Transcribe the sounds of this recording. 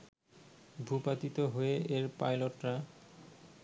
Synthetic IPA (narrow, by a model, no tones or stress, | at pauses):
bʱupat̪it̪oɦoeʔeɾpajloʈɾa